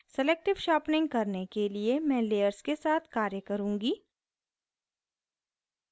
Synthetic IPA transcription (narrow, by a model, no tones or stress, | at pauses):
sɛleːk̚ʈɪʋʃaːpnɪ̃ŋɡ̚kɐɾnekeliemɛ̃ːleːjəɾskesaːt̪ʰkaːɾjəkɐɾũːŋɡiː